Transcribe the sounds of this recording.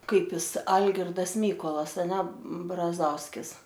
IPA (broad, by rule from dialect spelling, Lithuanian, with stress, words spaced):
ˈkɐɪp ˈjɪs ˈɐlʲɡʲɪrdɐs ˈmʲiːkoːlˠɐs ɐˈnʲɛ brɐˈzɐʊsʲkʲɪs